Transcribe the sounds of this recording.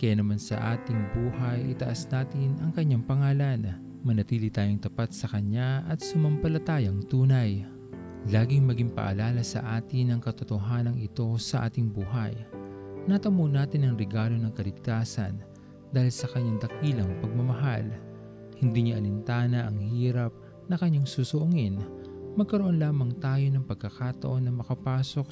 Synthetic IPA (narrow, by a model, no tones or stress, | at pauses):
kɐjaːnɐmansɐ̰ʔaːt̪ɪŋbuːɦɐjʔɪ̰t̪ɐʔasnaːt̪ɪnɐŋkɐɲːaŋpɐŋaːlɐn | mɐnɐt̪iːlɪt̪aːjoŋt̪ɐpat̪̚sɐkɐɲaʔɐt̪̚sʊmɐmpɐlɐt̪aːjɐŋt̪uːnɐj | laːɡɪŋmɐɡiŋpɐ̰ʔɐ̰laːlɐsɐ̰ʔaːt̪ɪnɐŋkɐt̪ot̪oɦaːnɐŋɪt̪o̞sɐʔa̰ːt̪ɪŋbuːɦɐjnɐt̪ɐmonaːt̪ɪnɐŋɾɛɡaːlo̞nɐŋkɐlɪɡ̚t̪aːsɐ̰n | d̪aːhɪlsɐkɐɲːaŋd̪ɐkiːlɐŋpɐɡ̚mɐmɐɦa̰l | hɪnd̪iɲaʔɐlɪnt̪aːnɐʔɐŋhiːɾɐp̚ | nɐkɐɲːaŋsuːsoʔʊŋinmɐɡ̚kɐɾoʔo̞nlaːmɐŋt̪aːjo̞nɐŋpɐɡ̚kːɐkaːt̪ɐ̰ʔo̞nːɐmɐkɐpaːso̞k̚